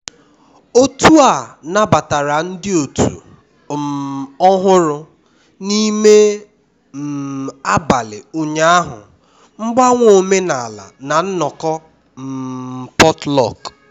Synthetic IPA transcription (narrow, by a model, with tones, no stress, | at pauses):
o˦tu˦a˨na˦ba˨ta˨ɾa˨n̩˦dɪ˦o˨tʰṵ˨ | m˨ɔ˦ɦʊ˦ɾʊ˦ | ni˦me˦ | m̩˨a˦ba˨lɪ˨u˨ɲa˦a˦ɦʊ̰˨ | ŋ͡m̩˦ɡ͡ba˦ŋʷo˨˦me˦na˨a˨la̰˨na˨n̩˦nɔ˨kɔ˦ | m̩˨pɔ˦tlɔ̰˦˨k